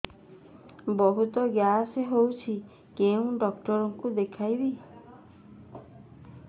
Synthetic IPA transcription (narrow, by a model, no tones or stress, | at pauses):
bɔɦut̪ɔɡjaseɦowt͡ʃʰi | keũɖɔkʈɔɾɔŋkud̪ekʰajbi